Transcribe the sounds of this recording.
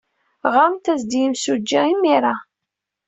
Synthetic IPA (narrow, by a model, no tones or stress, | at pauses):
ʁamt̪æzd̪ijimsud͡ʒːæimːiɾˤa